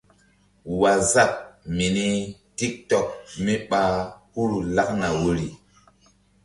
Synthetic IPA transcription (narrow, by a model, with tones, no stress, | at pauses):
wa˨za˦˨k̚mi˨ni˦ti˦k̚tɔ˨k̚mi˦ɓa˦hu˦ɾu˨la˦k̚na˨wo˨ɾi˨